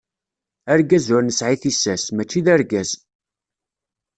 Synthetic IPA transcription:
æɾɡæzʊɾnəsʕiθisæsmæt͡ʃːiðæɾɡæz

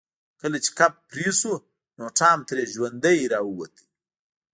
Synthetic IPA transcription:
kəlat͡ʃe̥kap̚pɾisu | noʈ͡ʂɑːmt̪ɾeʒwand̪əjɾɑwuwat̪i̥

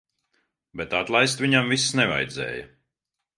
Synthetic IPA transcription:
bɛt̪at̪lˠajst̪viɲamvisːnɛva̰jd̪zɛ̰ːjɐ

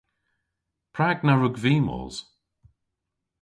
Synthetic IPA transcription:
pʰɹaɡnaɹʊɡviːmɔ̰z̥

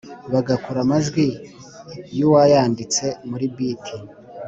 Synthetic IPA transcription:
βaɡakuɾamazɡwi | juwajaːndit͡se̞muɾibitʰi

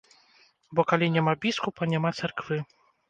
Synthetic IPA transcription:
bɔkalʲinʲɛmabʲiskupanʲɛmat̪sɛrkvɨ

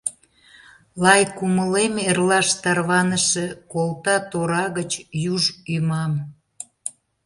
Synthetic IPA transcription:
lɑjkuməlemerlɑʃt̪ɑrβɑnəʃekolˠt̪ɑt̪oɾɑɣət͡ɕjuʒymɑm

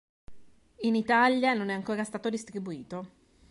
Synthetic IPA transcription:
init̪aljanonɛaŋkoːɾast̪aːt̪od̪ist̪ɾibuiːt̪o

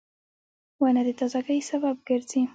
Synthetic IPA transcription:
wanad̪ət̪ɑzaɡəjsabab̚ɡəɾz̥i

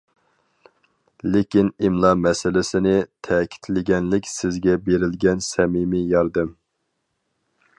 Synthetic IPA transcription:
lɪkʲinimlˠɑmɛsɪlɪsɪnɪt̪ʰɛkʲʰi̥t̪ʰlɪɡʲɛnlɪkʲsɪzɡʲɛbeɾɪlɡʲɛnsɛmimijɑɾd̪ɨm

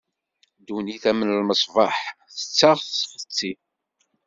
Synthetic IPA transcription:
d̪uniθæmənəlməsˤvɑħθə̥t͡sːəʁsfət͡sːi

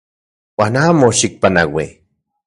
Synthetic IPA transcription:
waːnaːmoʃik̚panawi

